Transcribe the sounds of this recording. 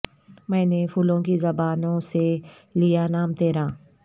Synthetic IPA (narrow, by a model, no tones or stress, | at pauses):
mɛ̃ːnepʰʊlõkizɐbaːnõse | lijanaːmt̪eːɾãː